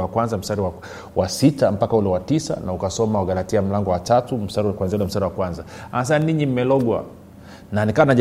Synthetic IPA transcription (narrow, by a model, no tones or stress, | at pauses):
akwanzam̩staɾiwa | wasitam̩pakaulɛwatisa̰naukasɔmauɡalatiam̩laŋɡɔwatatum̩staɾikwanziaulɛm̩staɾiwakwanzaanasaniɲim̩mɛlɔɠwa̰ | nanikawanaʄ